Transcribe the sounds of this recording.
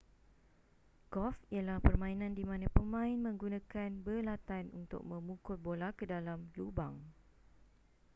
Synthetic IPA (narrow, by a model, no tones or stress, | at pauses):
ɡɔfijalahpərmãinãndimãnãpəmãɪnmə̃ŋɡunãkanbəlat̪anunt̪ʊ̰k̚mə̃mũkʊt̪̚bolakədalamlubaŋ